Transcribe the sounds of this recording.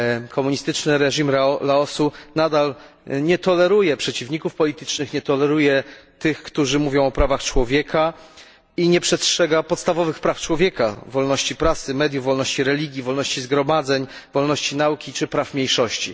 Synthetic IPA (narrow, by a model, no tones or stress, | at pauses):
kʰɔmuɲist̪ɘt͡ʂnɘɾɛʐimɾlaɔsunad̪al | ɲɛt̪ɔlɛɾujɛpʂɛt͡ɕivɲikufpɔlʲit̪ɘ̥t͡ʂnɘxɲɛt̪ɔlɛɾujɛt̪ɘxkt̪uʐɘmuvʲjɔ̃w̃ɔpɾavaxt͡ʂwɔvʲjɛkʰa | iɲɛpʂɛstʂɛɡapɔt̪st̪avɔvɘxpɾaft͡ʂwɔvʲjɛkavɔlnɔɕt͡ɕipɾasɘmɛd̪juvːɔlnɔɕt͡ɕiɾɛlʲiɡʲivɔlnɔɕt͡ɕizɡɾɔmad̪zɛɲ | vɔlnɔɕt͡ɕinaukʲit͡ʂɘpɾafmʲejʂɔɕt͡ɕḭ